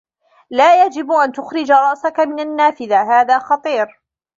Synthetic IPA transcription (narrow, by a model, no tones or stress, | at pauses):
laːjad͡ʒɪbʔant̪ʊxɾɪd͡ʒaɾˤɑʔsakamɪnanːaːfɪðaɦaːðaːxɑt̪ˤiːɾ